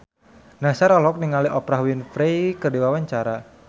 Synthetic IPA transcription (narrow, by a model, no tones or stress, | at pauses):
nasaɾɔlɔk̚niŋaliʔɔpɾaɦwinfɾejkərdiwawaɲt͡ʃaɾa